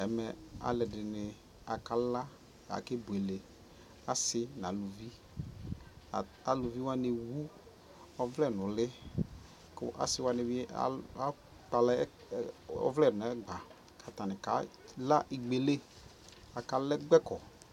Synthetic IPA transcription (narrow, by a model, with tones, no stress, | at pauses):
ɛ˨˦mɛ˨a̰˨lɛ˨dɪ˨nɪ˨ | a˨ka˨˦la˦ | a̰˨ke˦bu˨e˨le˨ | a˨sɪ˦n˨a˨˦lu˨vi˦˨ | a˨lu˨vi˦wa˦nɪ˨wu˦ | ɔ˨vlɛ˦˨nʊ˨lɪ˦ | kʊ̰˦ʔa̰˨sɪ˦wa˦nɪ˨wi˦a̰˦a˦ | k͡pa˨lɛ˦ | ɔ̰˦vlɛ˦˨nʊ˨ɛ˦ɡ͡ba˨ | kʰa˨t̪a˨nɪ˨ka˨˦la˦ʔɪ˨ɡ͡be˨le˦ | a˨ka˦lɛ˦ɡ͡bɛ˦kɔ˨